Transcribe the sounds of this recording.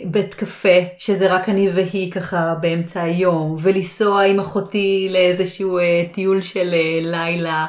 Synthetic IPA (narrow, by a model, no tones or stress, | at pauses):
betkafeʃezeʁakaniveɦikaχabeemt͡saːjo̞mvelisoaimaχotileezeʃuuetiulʃelelajla